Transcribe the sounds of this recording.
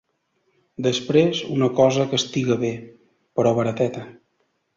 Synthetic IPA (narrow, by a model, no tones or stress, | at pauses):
d̪əspɾezunəkɔzəkəst̪iɣəβe | pəɾɔβəɾət̪ɛt̪ə